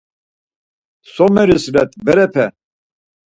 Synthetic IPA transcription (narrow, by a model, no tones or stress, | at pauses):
sɔmɛɾislɛt̪ʰbɛɾɛpʰɛ